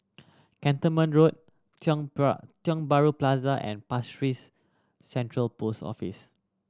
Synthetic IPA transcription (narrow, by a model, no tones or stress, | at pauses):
kɛ̃ntəmə̃nɹot̚ | t͡ʃɔ̃ŋbaɹuplazəʔɛ̰̃npastɹisː | ɛ̃ntɹəlpostɔ̰fḭs